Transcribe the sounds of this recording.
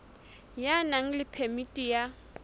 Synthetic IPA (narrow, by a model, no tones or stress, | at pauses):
janaŋ̩lɪpʰɛmitʼija